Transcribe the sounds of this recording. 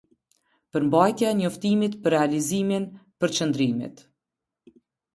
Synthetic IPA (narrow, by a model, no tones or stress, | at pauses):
pəɾmbajt̪jaɛɲɔft̪imit̪pəɾrːɛaliziminpəɾt͡ʃənd̪ɾimḭt̪